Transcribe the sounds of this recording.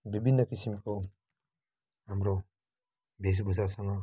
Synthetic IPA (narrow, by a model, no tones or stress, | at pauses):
bibʱinːəkisimko | ɦamɾo | bes̬bʱuzasaŋɡa